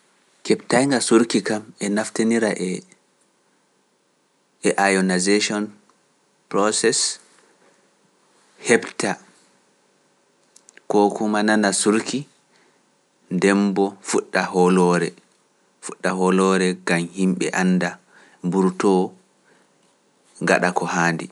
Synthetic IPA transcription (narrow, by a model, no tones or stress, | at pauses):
kɛptajŋɡasuɾkikamɛnaftaniɾaʔɛ | ɛʔajɔnazeʃɔn | pɾɔsɛs | hɛbtʰa | kɔkumananasuɾkʰi | ndɛmbɔfuɗːahɔlɔɾɛ | fuɗːaɦɔlɔɾɛɡamhimɓɛ̰ʔanːda | mbuɾtɔ | ŋɡa̰ɗakɔhaːndḭ